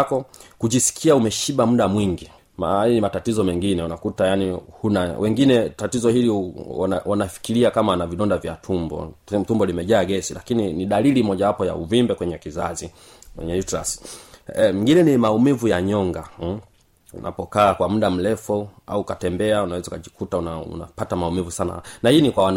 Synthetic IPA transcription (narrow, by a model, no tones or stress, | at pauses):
kɔkuʄisi̥kʰiaumɛʃiɓamuɗamwiŋɡi | maajɔnimatatizɔmɛŋɡinɛunakutajanihunawʔɛŋɡinɛtatizɔhilḭ | wanafi̥kiɾiakamanaviɗɔndavjatʰumbɔ̰tumbɔlimɛʄaːɡɛsilakininiɗalilimɔʄawapɔja̰uvimbɛkwɛɲɛkizazi | wɛ̰ɲɛitɾas | miŋɡinɛnimaumivujaɲɔŋɡa | ṵnʔa̰pɔkaːkwam̩ɗam̩lɛfua̰ukatɛmbɛaunawɛzaukaʄikutaunaṵnapatamaumivusana̰nahinikwawan